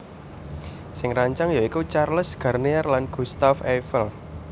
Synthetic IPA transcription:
sɪŋraɲt͡ʃaŋjɔikut͡ʃarləsɡ̥a̤rnearlanɡ̥ṳst̪afefəl

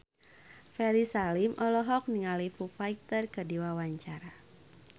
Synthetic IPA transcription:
fɛɾisalimʔɔlɔɦɔk̚niŋalifufait̪ərkədiwawaɲt͡ʃaɾa

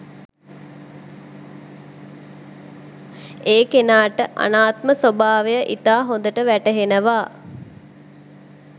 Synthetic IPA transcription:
eːkenaːʈəʔa̰naːt̪məsobaːʋejəʔit̪aːɦond̪əʈəʋæʈəɦenəʋaː

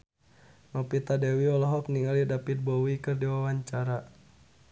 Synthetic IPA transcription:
nɔpit̪adɛwiɔlɔɦɔk̚niŋalidapit̪̚bɔwikərdiwawaɲt͡ʃaɾa

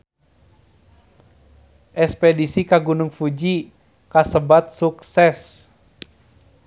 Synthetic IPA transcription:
ʔɛspɛdisikaɡunuŋfud͡ʒi | kasəbat̪̚suksɛs

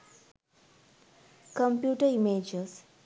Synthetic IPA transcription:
kə̃mpjuːʈəimeːd͡ʒes

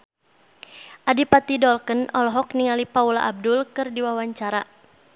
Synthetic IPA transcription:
ʔadipat̪idɔlkənɔlɔɦɔkniŋalipaula̰ʔab̚dʊlkɨrdiwawaɲt͡ʃaɾa

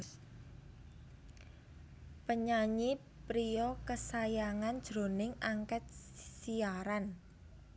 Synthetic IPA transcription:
pəɲaɲi | pɾiɔkəsajaŋand̥ʒ̥ɾo̤nɪŋaŋkɛt̪̚siaɾan

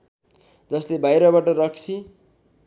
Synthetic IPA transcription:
d͡zʌslebajɾʌβaʈʌɾʌkt͡sʰi

